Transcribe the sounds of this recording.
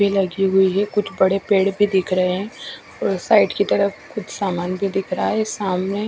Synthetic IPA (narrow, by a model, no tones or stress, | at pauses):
ilɐɡiɦʊiɦɛkʊt͡ʃʰbɐɽepeːɽbʱid̪ɪkʰɾɐɦeɦɛ̃ː | ɔːɾsaːɪʈkit̪ɐɾəkʊt͡ʃʰsaːmaːnbʱid̪ɪkʰɾaɦɛsaːmne